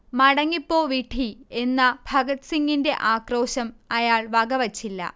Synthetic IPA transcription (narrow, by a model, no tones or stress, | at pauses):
mɐɽɐŋːipːo̞ːʋiʈʰie̞nːɐbʱɐɡɐt̪siŋɡinde̞ʔaːkro̞ːɕɐmɐjaːɭʋɐɡɐʋɐt͡ɕːilːɐ̰